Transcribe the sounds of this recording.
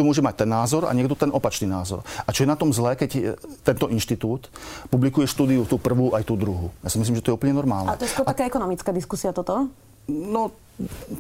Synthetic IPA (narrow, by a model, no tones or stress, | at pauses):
ɔmʊɔʒɛmac̚t̪ɛnːaːzɔɾa̰ɲɪɛɡd̪ɔt̪ɛnʔɔpat͡ʃniːnaːzɔ̰ɾat͡ʃɔjɛnat̪ɔmzlɛːkɛct̪ːɛnt̪ɔʔinʃt̪it̪uːt̪publikujɛʃt̪uːd̪iut̪uːpr̩ʋuːʔajt̪uːd̪ɾuɦujaːsimis̬limʒɛt̪ɔjɛuːplɲɛnɔɾmaːlnaɛt̪ɔjɛskkɔɾt̪akaːɛkɔnɔmit͡skaːd̪iskusiat̪ɔt̪ɔ | nɔ